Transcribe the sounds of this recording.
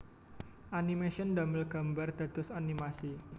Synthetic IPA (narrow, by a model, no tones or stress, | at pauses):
ʔanimeʃɔnd̪aməlɡ̥a̤mbard̪̥a̤d̪̥ʊsanimasi